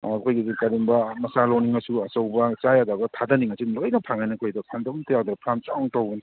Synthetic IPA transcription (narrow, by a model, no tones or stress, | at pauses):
ɐkʰojɡizikaɾimbɐmɐsaloniŋɐsuɐsɐwbɐt͡ʃajadabɐtʰadɐniŋasilojnɐpʰaŋajnɐkʰojdɐpʰaŋdabntajawd̪ɾɐpʰɾamt͡ʃawŋtawbɐni